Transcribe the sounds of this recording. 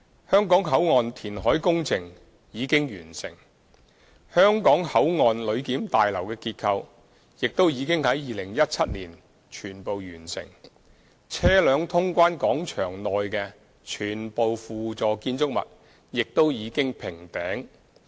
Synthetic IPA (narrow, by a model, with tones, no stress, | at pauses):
hœː˥ŋkɔː˨˥ŋɦɐ˨˥wŋɔː˨nt̪ʰiː˨˩nɦɔː˨˥jkʊ˥ŋt͡sʰɪ˨˩ŋ | jiː˨˧kɪ˥ŋjyː˨˩nsɪ˨˩ŋ | hœː˥ŋkɔː˨˥ŋhɐ˨˥wŋɔː˨nlɵ˨˧ɥkiː˨˥mt̪aː˨jlɐ˨˩wkɛː˧kiː˧t̚kʰɐ˧w | jɪ˨k̚t̪o˥wjiː˨˧kɪ˥ŋhɐ˨˥jjiː˨lɪ˨˩ŋjɐ˥t̚t͡sʰɐ˥t̚nliː˨˩n | t͡ʃʰyː˨˩npo˨wjyː˨˩nsɪ̰˨˩ŋ | t͡sʰɛː˥lœː˨˧ŋt̪ʰʊ˥ŋkʷaː˥nkɔː˨˥ŋt͡ʃʰœː˨˩ŋlɔː˨jkɛː˧ | t͡ʃʰyː˨˩npo˨wfuː˨t͡sɔː˨˧kiː˧nt͡sʊ˥k̚mɐ̰˨t̚ | jɪ˨k̚t̪o˥wjiː˨˧kɪ˥ŋpʰɪ˨˩ŋt̪ɛː˨˥ŋ